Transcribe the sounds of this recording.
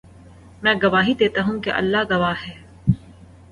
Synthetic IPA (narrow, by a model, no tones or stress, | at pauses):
mɛ̃ːɡɐʋaːɦid̪eːt̪aɦũkeʔɐ̰lːaɡɐʋaːɦɛː